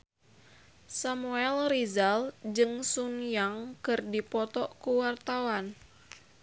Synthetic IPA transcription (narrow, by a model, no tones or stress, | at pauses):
samuɛlrizald͡ʒɨŋsunjaŋkɨrdipɔt̪ɔʔkuwart̪awan